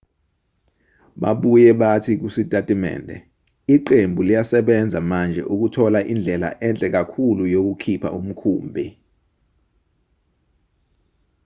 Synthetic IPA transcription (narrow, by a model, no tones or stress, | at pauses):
ɓa̰ɓujɛɓatʰik̬usitʼatʼimɛ̰ːndʱɛ̰ | iǃembʱulijasɛɓɛnd͡zʱamand͡ʒʱɛ̰ʔuk̬utʰɔlaʔind͡ɮʱɛla̰ʔɛnt͡ɬʼɛk̬akʰulujok̬ukʰipʰa̰ʔum̩kʰṵːmbʱi